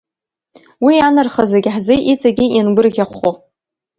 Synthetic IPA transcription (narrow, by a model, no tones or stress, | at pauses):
wianɨrχazeɡʲħzeʔit͡sʼaɡʲijinɡʷʊrɣʲaχʷo